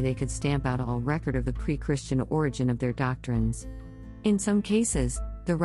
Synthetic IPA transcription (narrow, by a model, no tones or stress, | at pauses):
ðeɪkʰɨd̥stæ̃mpaʊɾɔlˠɹɛkə˞ɾʌvðɨpʰɹ̥ikʰɹ̥ɪst͡ʃɨ̃nɔɹɨd͡ʒɨ̃nʌvðə˞dɑk̚tɹ̥ɨ̃nz̥ | ɨ̃nsʌ̃mkʰeɪsɪzðɨ